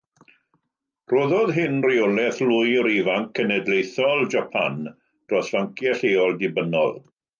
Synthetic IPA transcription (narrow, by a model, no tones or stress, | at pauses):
roːðɔðɦɪnriɔlɛθlʊjəɾivaŋkʰːənɛdlejθɔlˠd͡ʒapʰa̰n | d̥ɔsvaŋkʰjɛɬeːɔlˠdɪbənɔ̰lˠ